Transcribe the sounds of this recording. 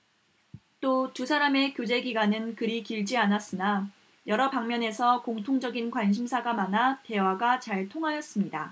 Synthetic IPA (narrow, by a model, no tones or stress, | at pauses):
t͈otusʰaɾame̞kjod͡ʑe̞ɡiɡwanɯnkɯɾikiɭd͡ʑianas͈ɯna | jʌɾʌpaŋmjʌne̞sʰʌkoŋtʰoŋd͡ʑʌɡinkwanɕ̬ʰimsʰaɡamanate̞waɡat͡ɕaɭtʰoŋɦajʌs͈ɯmɲida